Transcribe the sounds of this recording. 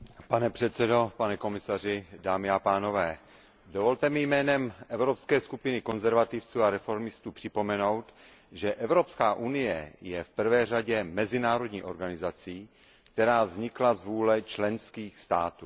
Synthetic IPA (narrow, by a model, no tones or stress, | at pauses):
panɛpr̥ɛt̪sɛdo̞panɛko̞mɪsarɪdaːmɪapaːno̞vɛː | dovo̞lt̪ɛmɪjmɛːnɛmʔɛvɾopskɛːskupɪnɪko̞nzɛɾvat̪ɪft͡suːaɾɛfo̞ɾmɪst̪uːpr̥ɪpo̞mɛno̞wt̪ | ʒɛʔɛvɾo̞pskaːʔunɪjɛ̰jɛfpr̩vɛːraɟɛmɛzɪnaːɾo̞dɲiːʔo̞̰ɾɡanɪzat͡siː | kt̪ɛɾaːvzɲɪklazvuːlɛt͡ʃlɛnskiːxst̪aːt̪uː